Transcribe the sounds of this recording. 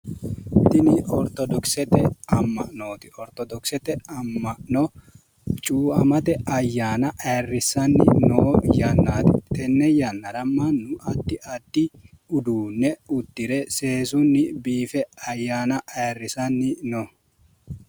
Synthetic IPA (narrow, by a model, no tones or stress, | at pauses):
t̪ɪnɪʔɔɾt̪ɔd̪ɔksɛt̪ɛɐmːɐ̰ʔnoːt̪ɪ̥ʔɔɾt̪ɔd̪ɔksɛt̪ɛɐmːɐnɔ | t͡ʃʼuːɐ̰mɐt̪ɛʔɐjːaːnɐʔɐrːɪsɐnːɪ̰noːjɐnːaːt̪ɪt̪ɛnːɛjɐnːɐɾɐmːɐnːʊʔɐd̪ːɪʔɐd̪ːɪ | ʊd̪uːnːɛʊd̪ːɪɾɛse̞ːsʊnːɪbiːfɛɐjːaːnɐʔɐrːɪsɐnːɪno